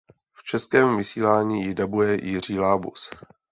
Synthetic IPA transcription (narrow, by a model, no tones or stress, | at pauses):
ft͡ʃɛskɛːmvɪsiːlaːɲiːjɪdabujɛjɪr̝iːlaːbṵs